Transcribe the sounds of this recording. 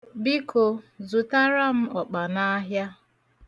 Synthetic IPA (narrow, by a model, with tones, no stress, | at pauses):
bi˦ko˨zʊ˨ta˦ɾa˦m̩˦ɔ˨k͡pa˨na˦ɦja˦